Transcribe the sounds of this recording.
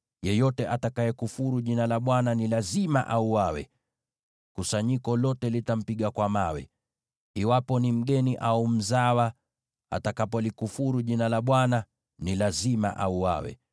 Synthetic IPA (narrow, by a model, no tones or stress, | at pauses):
jɛjɔtɛʔatakajɛkufuɾuʄinalaɓwananilazima̰ʔauwawɛ̰ | kusaɲikɔlɔtɛlitam̩piɠakwamawɛ̰ | iwapɔnim̩ɠɛniʔaum̩zawa | a̰takapɔlikufuɾuʄinalaɓwana | nilazima̰ʔauwa̰wɛ̰